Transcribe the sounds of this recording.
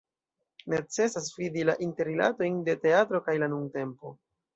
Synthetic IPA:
ne̞t͡se̞sasfidilaʔinte̞ɾila̰to̞jnde̞te̞atɾo̞kajlanuŋte̞mpo̞

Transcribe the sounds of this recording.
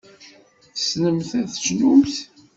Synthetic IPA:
θəsnəmθæθə̥t͡ʃnumθ

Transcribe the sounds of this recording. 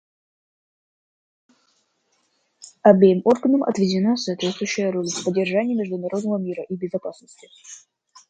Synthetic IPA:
ɐbʲejimo̞rɡənəmʔɐ̰t̪vʲɪdʲɪnasɐːt̪vʲet̪st̪vʊjɕːɪjəɾolʲfsʲpədʲɪrʐanʲɪjəmʲɪʐd̪ʊnɐɾo̞d̪nəvəmʲiɾəʔibʲɪzɐpasnəsʲtʲɪ̥

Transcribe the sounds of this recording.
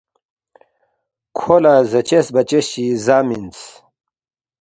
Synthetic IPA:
kʰolazɐt͡ɕesbɐt͡ɕeɕizaːmint͡s

